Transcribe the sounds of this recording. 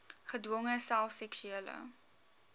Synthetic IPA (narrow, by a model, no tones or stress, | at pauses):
χədwɔŋəsælˠfsɛksyiələ̰